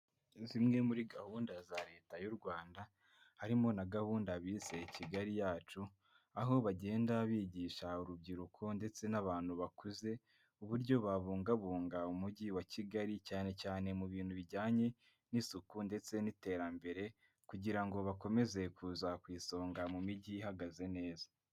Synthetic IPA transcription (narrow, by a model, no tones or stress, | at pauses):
zimŋe̞muɾiɡahuːndazaɾe̞ːtajuɾɡwaːnda | haɾimo̞naɡahuːndaβiːse̞iciɡaɾijaːt͡ʃu | aɦo̞βaɟe̞ːndaβiːɟiːʃauɾub̚ɟiɾukʰo̞nde̞t͡se̞naβaːn̥huβakuze̞ | uβuɾɟo̞βaβuːŋɡaβuːŋɡaumuɟiwaciɡaɾicaːne̞caːne̞muβiːn̥huβiɟaːɲe̞ | nisukunde̞t͡se̞nite̞ːɾambe̞ɾe̞ | kuɟiɾaŋɡo̞βako̞me̞ze̞kʰuːzakwiːso̞ːŋɡamumiɟihaɡaze̞ne̞ːzḁ